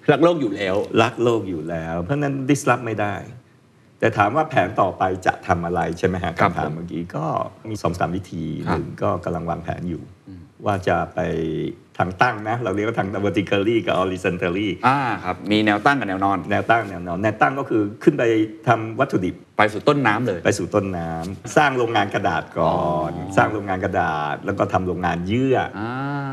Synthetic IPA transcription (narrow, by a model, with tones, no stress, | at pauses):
la˦˥k̚loː˥˩k̚juː˨˩lɛː˦˥wla˦˥k̚loː˥˩k̚juː˨˩lɛː˦˥wpʰɯ˥˩˨na˦˥ndi˦˥sla˦˥p̚ma˥˩jda˥˩j | t̪ɛː˨˩t̪ʰaː˩˦mwaː˥˩pʰɛː˩˦nt̪ɔː˨˩pa˧jt͡ɕa̰˨˩ʔt̪ʰa˧mʔa˧ɾa˧jt͡ɕʰa˥˩jma˦˥jka˦˥kʰa˧mtʰa̰ː˩˦mːaː˧kḭː˧kɔː˥˩miː˧so˩˦msa˨aː˩˦mwi˦˥t̪ʰiː˧nɯː˨˩ŋkɔː˥˩ka˧mla˧ŋwaː˧ŋpʰɛ̰ː˩˦njṵː˨˩ | waː˥˩t͡ɕa˨˩pa˧jt̪ʰaː˧˩ŋt̪a˥˩ŋna˦˥laː˨˩wni˥˩ka˥˩t̪ʰa˦˥ŋt̪a˧bəː˧t̪ʰi˧kʰəː˧ɾiː˥˩ka̰˨˩ʔɔː˧liː˧sa˧nt̪əː˧ɾiː˥˩ʔaː˧˩kʰa˦˥p̚miː˧nɛː˧wt̪a˥˩ŋka˨˩nɛː˧wnɔː˧nnɛː˧wt̪a˥˩ŋa˨˩nɛː˧wnɔː˧nːɛː˧wt̪a˥˩ŋkɔː˥˩kʰɯː˧kʰɯ˥˩npa˧jt̪ʰa˧mwa˦˥t̪ʰːu˧˩di˨˩p̚pa˧jsuː˨˩t̪o˥˩nːaː˦˥mlɤː˧jpa˧jsuː˨˩t̪o˥˩nːaː˦˥msaː˥˩ŋɾoː˧ŋaː˧nka˧da̰ː˨˩t̪̚kɔː˨nsaː˥˩ŋɾoː˧ŋaː˧nka˧daː˨˩t̪̚lɛː˦˥wkɔː˥˩t̪ʰa˧mɾoː˧ŋːaː˧njɯ˥˩ɐa˧